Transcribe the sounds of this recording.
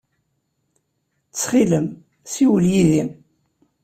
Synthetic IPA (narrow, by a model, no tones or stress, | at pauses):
t͡sːχiləm | siwəljiðim